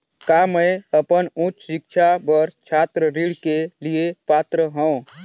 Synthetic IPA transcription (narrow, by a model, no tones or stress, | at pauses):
kamə̃jəpənũt͡ʃʃɪkt͡ʃʰabəɾt͡ʃʰaːt̪ɾəɾiɽkeliepaːt̪ɾəɦə̃